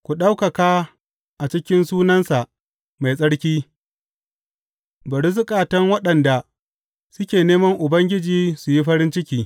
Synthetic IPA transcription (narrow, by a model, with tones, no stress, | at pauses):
kʷu˨ɗa˦wkɐ˨kaː˦ | ʔa˨t͡ʃɪ˦kʲɪ˦nsuː˦nɐ˦nsa˨ʔ | ma˨jsʼɐ˦ɽkʲiː˦ | bɐ˨ɽɪ˦s̬ʊ˦kʼaː˨tɐ˦ŋwɐ˦ɗɐ˨nda˨ | sʊ˦kʲeː˨neː˦mɐ˦ŋʔʊ˨bɐ˦ŋɡʲɪ˦d͡ʒiː˨su˨ji˦ɸɐ˦ɾɪ˦nt͡ʃɪ˦kʲiː˦